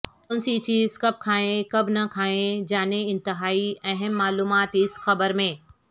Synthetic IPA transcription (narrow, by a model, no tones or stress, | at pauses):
ʊnsit͡ɕiːzkɐb̚kʰaːɦẽkɐbnɐkʰaːẽd͡ʑaːneɪ̃nt̪ɪɦaːiɐɦəmːaːluːmaːt̪ɦɪsxɐbəɾmẽː